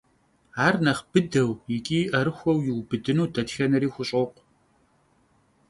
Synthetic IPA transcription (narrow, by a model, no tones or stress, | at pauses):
aːrnɐχb̥ɨdɐwjɪkʼiːʔɐɾɨxʷɔwjɪwbɨdɨnuːdɐtxɐnɐɾiːxʷʊɕʼoqʷ